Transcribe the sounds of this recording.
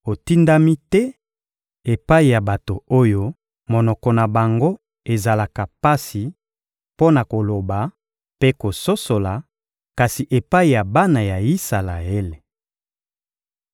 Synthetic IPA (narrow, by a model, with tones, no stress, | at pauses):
o˨ti˦nda˦mi˦tɛ˦ | e˨pa˦i˨ja˨ba˨to˨o˦jo˦ | mo˨nɔ˨kɔ˨na˨ba˨ŋɡo˦ | e˨za˨la˨ka˨pa˦si˨ | po˦na˨ko˨lo˨ba˨ | pe˦ko˨so˦so˨la˨ | ka˨si˨ʔe˨pa˦i˨ja˨ba˦na˨ja˨i˦sa˨la̰˨e˦le˨